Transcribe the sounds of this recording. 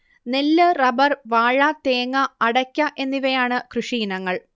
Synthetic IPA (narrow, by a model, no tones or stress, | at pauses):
nelːɨrɐbɐrʋaːɻɐt̪eːŋːɐɐɽɐkʲːɐʔe̞nːiʋɐjaːɳɨkrɨʂiːnɐŋːɐɭ